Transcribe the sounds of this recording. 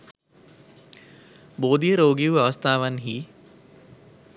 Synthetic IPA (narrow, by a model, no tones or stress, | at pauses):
boːd̪ijɾoːɡiʋɐʋɐst̪ʰaːʋɐnɦi